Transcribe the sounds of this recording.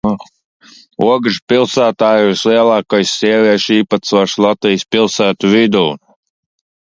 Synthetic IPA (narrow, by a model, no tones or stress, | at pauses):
ṵɔɡʒpilˠsæːt̪aːjusliɛlˠɑːkajssiɛvʲiɛʃiːpat̪sɔʃlˠat̪ijspilˠsæːt̪uvid̪uː